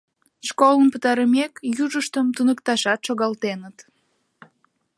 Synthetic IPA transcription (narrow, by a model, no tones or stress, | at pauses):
ʃkolənpət̪ɑɾəmekjuʒəʃt̪əmt̪unəkt̪ɑʃɑt̪ʃoɣɑlt̪enət̪